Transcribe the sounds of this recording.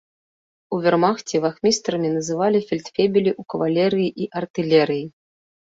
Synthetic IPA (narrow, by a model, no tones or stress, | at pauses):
uvʲɛrmaxt͡sʲɛvaxmʲist̪ɾɐmʲinɐzɨvalʲifʲilʲt̪fʲebʲilʲiʔukɐvalʲɛɾɨjiʔiʔɐrt̪ɨlʲɛɾɨji